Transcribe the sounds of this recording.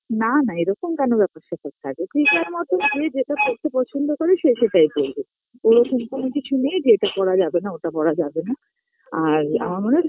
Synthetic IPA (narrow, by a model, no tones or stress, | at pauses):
nanaeɾɔkomkɛnobɛpoʃat̪ʰak̚t̪ʰakepɾikaɾmɔt̪od͡ʑed͡ʑeʈapoɾt̪ʰepɔt͡ɕʰond̪okoɾeʃeʃeʈajbolbe | oɾokomkonokit͡ɕʰunied͡ʑeeʈapɔɽad͡ʑabenaoʈapɔɽad͡ʑabena | aɾa̰maɾmone